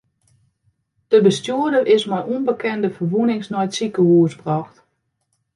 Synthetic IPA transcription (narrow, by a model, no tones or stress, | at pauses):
d̥əbəstjuədərɪsmajʔunbəkʰɛndəfərʋunɪŋsnɔjətsikəhuəsbrɔxt